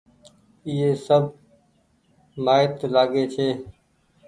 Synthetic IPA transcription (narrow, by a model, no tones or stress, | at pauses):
ɪːeːsəbʱ | maːɪt̪laːɡeːt͡ʃʰeː